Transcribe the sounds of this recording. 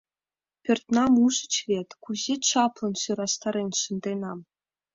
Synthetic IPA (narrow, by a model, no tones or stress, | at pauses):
pʲɘ̆rt̪nɑmuʐə̆t͡ɕvʲet̪ʲkuʑet̪ʲʂɑplˠɤ̆nɕuɾɑst̪ɑɾʲenʲʂɤ̆nd̪enɑm